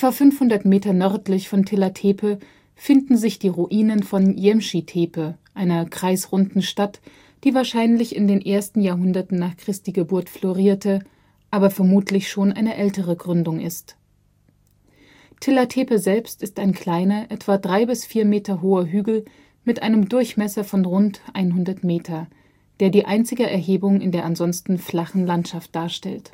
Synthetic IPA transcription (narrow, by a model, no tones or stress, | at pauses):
ʔɛtv̥afʏnfhʊndɐtmeːtɐnœɐtlɪçfɔntʰɪlatʰeːpʰə | fɪndn̩zɪçd̥iːʁuʔiːnənfɔnjɛmʃitʰeːpəʔaɪnɐɡ̥ʁ̥aɪsʁʊndn̩ʃtat | d̥iːvaːɐʃaɪnlɪçɪ̰ndeːnʔeːɐstn̩jaːɐɦʊndɐtn̩naːχkʁ̥ɪstiːɡəbʊɐtfloʁiːɐtʰə | ʔaːbɐfɛɐmuːtʰlɪçʃoːnʔa̰ɪnəʔɛltəʁ̞əɡʁʏndʊŋʔɪst | tʰɪlatʰeːpəzɛlpstɪstaɪnkl̥aɪnɐʔɛtv̥adʁaɪbɪsfiːɐmeːtɐɦoːɐɦyːɡl̩ | mɪtʔaɪnəmdʊɐçmɛsɐfɔnʁʊntʔa̰ɪnɦʊndɐtmeːtʰɐ | d̥eːɐdiːʔaɪnt͡sɪɡəʔɛɐɦeːbʊŋɪ̰ndeːɐʔanzɔnstn̩flaχn̩lantʃaft̚d̥aːɐʃtɛlt